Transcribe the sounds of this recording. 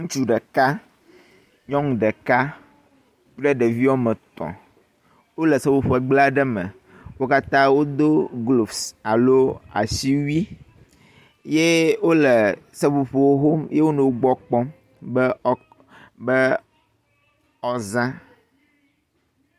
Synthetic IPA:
ŋũ˦t͡ʃu˦ɖɛ˨ka˦ | ɲɔ̃˦ŋũ˨ɖɛ˨ka˦ | k͡plɛ˦ɖe˨vi˦wɔ˦mɛ̃˨t̪ɔ̰̃˨ | wo˦lɛ˨se˦vo˨ɸo˨e˨ɡ͡bla˦ɖɛ˦mɛ̰˨ | wo˦ka˦t̪ã˦wo˦d̪o˦ɡlo˨fsa˨lo˦a̰˨si˦wi˦ | je˦wo˦le˨sɛ˦vo˨ɸo˨wo˦ɦo˦mje˦wo˦nɛ̃˨wo˦ɡ͡bɔ˦k͡pɔ˦ | bə˦ | bɛ˦ | ɔ˦zã˦

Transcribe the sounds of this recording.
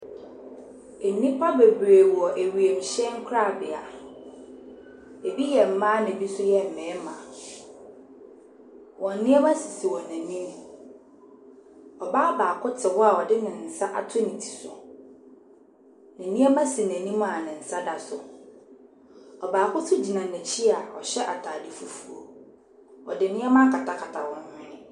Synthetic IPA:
nĩ˦pʰa˦be˨bɾe˨wɔ˨ʔe˨ɥi˨e˨m̩˨ɕɛ̃˦ŋ̩˦kʰʊ˦ɾa˦˨bɪ˨a˨ | e˨bi˦jɛ˨m̩˦mã˦nɪ̃˨bi˦sʊ˦jɛ˦m̩˨mɛ̃ː˨˦mã˨ | wʔɔ̃˨n̩˦nɪ̃˦ɛ˦ba˦si˨si˨wɔ̃˨næ̃˨nĩ˦m | ɔ˨baː˦ɔ˦baː˨kʰʊ˦tʰɪ˨wɔ˦a˨ɔ˨dɪ˦nɪ̃˨n̩˨sa˦ʔa̰˨tʰʊ˦nĩ˨tʰi̥˨sʊ̰˨ | nɪ̃˨nɪ̃˦ɛ˦mã˦si˨næ̃˨nĩ˦mã˨a˨nɪ̃˨n̩˨sa˦da˨sʊ˨ | ɔ˨baː˨kʰʊ˦sʊ˦d͡ʑi˨nã˨næ̃˨t͡ɕʰi˦a˨ɔ˨ɕɛ˦ʔa̰˨tʰaː˨dɪ˦fu˨fu˨o˨ | ɔ̰˨dɪ˨˦nɪ̃˦ɛ˦mã˦ŋ˦kʰa˨tʰa˨kʰa˨tʰa̰˨wɔ̃˨ñ˦ɪ̃˦

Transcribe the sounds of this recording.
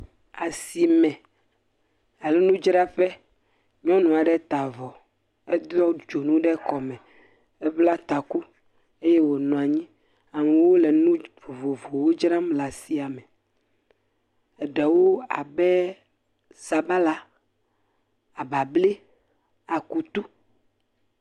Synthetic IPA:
a˨si˨mɛ̃˨ | a˨lɛ˦nũ˦d͡ʒɾa˦ɸɛ˦ | ɲɔ̃˦nɔ̃˨a˨ɖɛ˦t̪a˨vɔ˨ | ɛ˦d̪ɔ˦d͡ʒo˨nũ˦ɖɛ˦kɔ˨mɛ̃˨ | ɛ˦bla˦t̪a˨ku˦ | e˦jɛ˦wo˨nɔ̃˨a˨ɲĩ˦ | a˨mɛ˨wo˦lɛ˨nũ˦vo˨vo˨vo˨wo˦d͡ʒɾa˦mla˨si˦a˨mɛ˨ | ɛ˨ɖɛ˨wo˦a̰˨bɛ˦ | sa˨ba˦la˦ | a˨ba˨ble˦ | a˨ku˨t̪u˦

